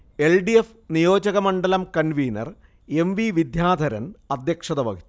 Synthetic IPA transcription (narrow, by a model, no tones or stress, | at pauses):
e̞lɖief | nijo̞ːd͡ʑɐɣɐmɐɳɖɐlɐmkɐnʋiːnɐ̰r | e̞mʋiʋid̪ʱjaːd̪ʱɐɾɐ̰nɐd̪jɐkʂɐðɐʋɐɡʱi